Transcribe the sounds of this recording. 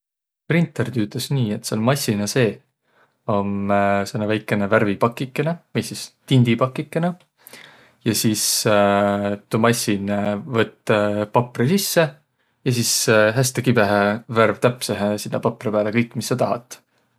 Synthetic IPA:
print̪ˑːert̪yːt̪ˑɑsniːet̪seolmɑjsʲːinɑse̞ː | o̞msenːɑvæjkːˑeneværvipɑkːˑikːˑenevejsist̪ind̪ipɑkːˑikːˑene | jɑsiːs | t̪umɑsʲinvɤt̪ːˑpɑprisisːe̞ | jɑsiːsɦæst̪ekibe̞ɦeværvt̪æpseɦesinːɑpɑpːˑripæːlekɤjkːˑmisːɑt̪ɑɦɑ̰t̪ːˑ

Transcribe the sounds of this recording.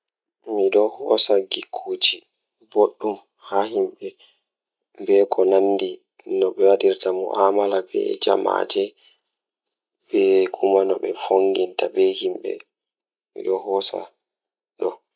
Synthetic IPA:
miɗɔhɔsaɡikʰːuːd͡ʒi | boɗːum | hahimɓɛ | mbɛkʰɔnanːdi | nɔɓɛwaɗiɾtamɔ̰ʔamalabɛ̰d͡ʒa̰ma̰d͡ʒɛ | bɛkʰumanɔɓɛfoŋɡintabɛhimɓɛ̰ | mḭɗɔhɔsa̰ | ɗɔ

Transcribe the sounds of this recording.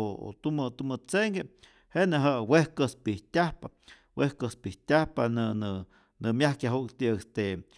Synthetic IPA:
oo̰t̪umɨt̪umɨt͡seŋɡʲe | heneɦaʔwehkəspiht̪ʲahpa | wehkəspiht̪ʲahpanɨnɨ | nɨmjahkʲjaɦuʔkt̪iest̪e

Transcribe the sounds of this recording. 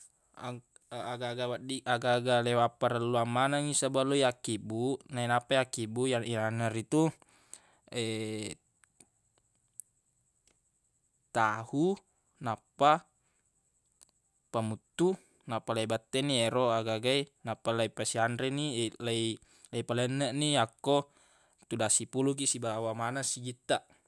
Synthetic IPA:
a | aɡaɡawadiaɡaɡalewapaɾəlːuamanaŋisabalujakibunainapajakibujaianaɾit̪u | ɛ | t̪ahu | napːa | pamut̪ːu | napalaibat̪ːɛnieɾoaɡaɡainapːalaipasiandɾenilai | laipalɛnːəʔniakːo | t̪udasipuluk̬iʔsibawamanasiɡit̪ːaʔ

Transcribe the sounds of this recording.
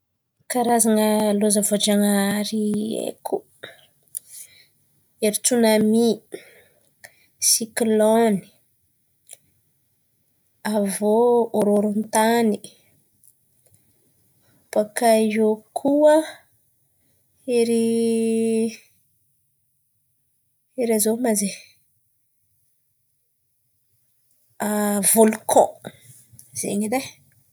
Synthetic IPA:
kaɾazaŋəlozəvod͡ʒaŋaɾiḛkʰu | eɾit͡sunami | sikloni̥ | avooɾoɾunt̪ani | pakajokʰuə | eɾi | eɾazomaze | avolukʰɔ̰̃ | z̥ḛɲid̪e

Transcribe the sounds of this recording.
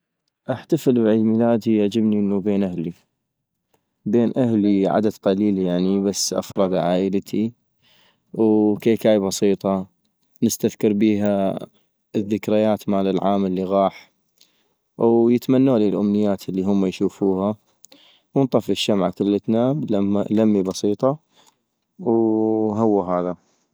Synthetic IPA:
ʔaħt̪afɪlbʕiːd̪miːlaːd̪ijaʕd͡ʒɪbniʔənːubeːnʔahli | beːnʔahliʕa̰d̪ad̪qɑliːljaʕnibasːʔa̰fɾˤɑd̪ʕaːʔəlt̪ʰi | wkeːkaːjbɑsiːt̪ˤɑ | nəst̪aðkɑɾbiːɦa | ðːɪkɾajaːt̪maːlɪlʕaːməlːiɣɑːħ | wjɪt̪manːuːliːlʔʊmnɪjːaːt̪əlːiɦʊmːajʃuːfuːha | wnt̪ˤɑfɪʃːamʕkɪlːət̪naːbalamːibɑsiːt̪ˤɑ | wɦawːaɦaːða

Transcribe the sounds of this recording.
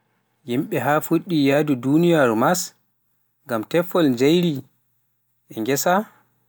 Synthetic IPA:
jimɓɛɦafuɗːijadudunijaɾmas | ŋɡamtɛfːɔlnd͡ʒajɾi | ʔɛŋɡɛsa

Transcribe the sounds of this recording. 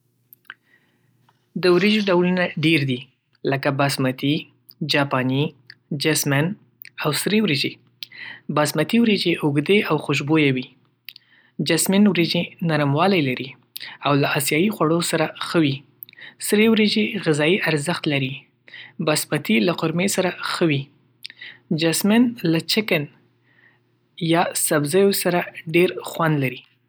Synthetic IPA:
d̪əwɾeʒɖawlunaɖeɾd̪i | ləkabasmat̪i | d͡ʒɑpɑni | d͡ʒasman | awsɾewɾed͡ʒe | bɑsmat̪iwɾed͡ʒeʔʊɡd̪eʔawxʊʃ̬bojawi | d͡ʒasmɪnwɾed͡ʒenaɾəmwɑlajlaɾi | awlaɑsjɑjixwaɽosaɾaxəwi | sɾewɾed͡ʒeɣɪzɑjiʔaɾzəxt̪laɾi | bɑsmat̪ilaqʊɾmesaɾaxəwi | d͡ʒasmɪnlat͡ʃɪkan | jɑsabzajosaɾaɖeɾxwand̪laɾi

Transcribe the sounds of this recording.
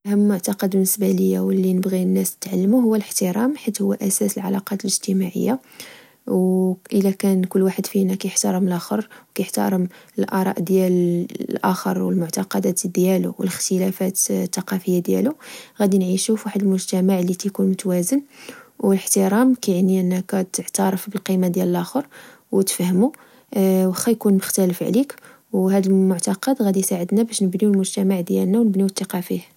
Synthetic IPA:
həmːʊʕt̪ɑqɑd̪bənːəsbæləjːawəlːinəbɣinːæst̪ət̪ʕalːəmuhʊwːæləħt̪əɾˤɑmħit̪hʊwːæʔæsæsəlʕa̰lɑqɑt̪ələʒt̪əmaʕə̰jːa | wʔəlækænkʊlːwaħəd̪finækæjəħt̪ɑɾˤəmlʔæxəɾˤwkæjəħt̪ɑ̰ɾˤəməlʔɑɾˤɑ̰ʔd̪jællʔæxəɾˤwəlmʊʕt̪ɑqɑd̪æt̪d̪jælṵwələxt̪əlæfæt̪t̪ːɑqɑfəjːad̪jæ̰luɣæd̪inʕiʃufwaħəd̪əlmʊʒt̪æmaʕlːit̪ikunmʊt̪æwæzənwələħt̪əɾˤɑmkæʕniʔənːækæt̪əʕt̪ɑɾˤəfbəlqimad̪jæləlʔæxəɾ | wt̪fhmu | wəxːæjkunməxt̪æləfʕlik | whæd̪əlmʊʕt̪ɑqɑd̪ɣæd̪isaʕəd̪næbæʃnəbniwlmʊʒt̪æmaʕd̪jælnæwnəbniət̪ːɑqɑfih

